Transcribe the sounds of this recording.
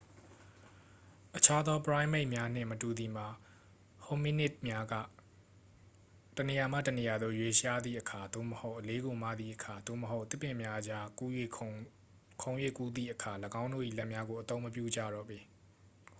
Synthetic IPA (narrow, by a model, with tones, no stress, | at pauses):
ʔət͡ɕʰa˦d̪ɔ˦pəɹã˦ɪ̃me˦ɪʔmja˦n̥ɪ̰̃˦˨mətu˨d̪i˨m̥a˨ | ho˨mi˦nɪ˦t̚mja˦ɡa̰˦˨ | təne˨ja˨mä̰˦˨tə˨ne˨ja˨d̪o˦jwe˦ʃa˦d̪ðḭ˦˨ʔəkʰa˨d̪o̰˦˨məho˦ʊʔəle˦ɡo˨mä̰˦˨d̪ðḭ˦˨ʔəkʰa˨d̪o̰˦˨məɦo˦ʊʔt̪ɪ˦pːɪ̃˨mja˦ʔəd͡ʑa˦ku˦jwe˦˨ | kʰõ˨ʊ̃jwḛ˦˨ku˦d̪ðḭ˦˨ʔəkʰa˨ləɡã˦ʊ̃ndo̰˦˨ʔḭ˦˨lɛ˦ʔmja˦ɡo˨ʔət̪õ˦ʊ̃məp̬jṵ˦˨d͡ʑa̰˦˨ɾɔ̰˦˨bi˨